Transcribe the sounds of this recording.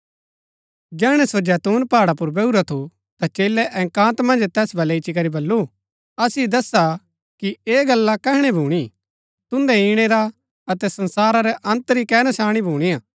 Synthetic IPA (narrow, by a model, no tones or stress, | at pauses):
d͡ʒɛːɽ̃ɛsod͡ʒɛːt̪uːnpaːɽapʊɾbeːuɾat̪ʰu | t̪at͡ʃeːlɛʔɛ̃ːkãːt̪mɐ̃nd͡ʒt̪ɛːsbʱɐleit͡ʃik̬ɐɾibɐlːu | ɐsid̪ɐsa | kieːɡɐlːakɛɦɽ̃ɛbʱuːɽ̃i | t̪ʊ̃nd̪ɛiːɽ̃eɾa | ɐt̪ɛsɐ̃nsaːɾaɾɛʔɐ̃nt̪ɾikɛːnasaːɽ̃ibʱuːɽ̃ijãː